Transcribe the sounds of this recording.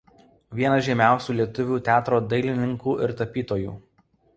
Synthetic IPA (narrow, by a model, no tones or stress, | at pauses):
ʋʲiɛnɐʒʲɛmʲæˑʊsʲuːlʲiɛt̪ʊʋʲuːt̪ʲæːt̪ɾoːd̪ɐɪlʲɪnʲɪŋkuːʔɪɾt̪ɐpʲiːt̪oːjṵː